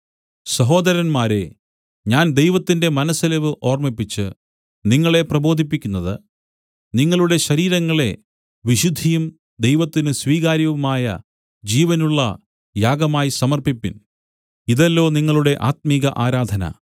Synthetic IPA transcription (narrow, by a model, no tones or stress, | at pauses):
sɐɦo̞ːd̪ɐɾɐnmaːɾe̞̰ | ɲaːnd̪e̞jʋɐt̪ːinde̞mɐnɐsːɐleʋɨʔo̞ːrmipːit͡ɕːɨ̰ | niŋːɐɭe̞prɐbo̞ːd̪ʱipːikʲːunːɐðɨ̰ | niŋːɐɭuɽe̞ɕɐɾiːɾɐŋːɐɭe̞ | ʋiɕud̪ʱːijum | d̪e̞jʋɐt̪ːinɨsʋiːɣaːɾjɐʋumaːjɐ̰ | d͡ʑiːʋɐnuɭːɐ̰ | jaːɡɐmaːjisɐmɐrpipːin | iðɐlːo̞ːniŋːɐɭuɽe̞ʔaːt̪̚miɣɐʔaːɾaːd̪ʱɐnɐ̰